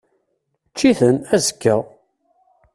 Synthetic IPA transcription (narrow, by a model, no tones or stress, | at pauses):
t͡ʃːiθənæzə̥kːə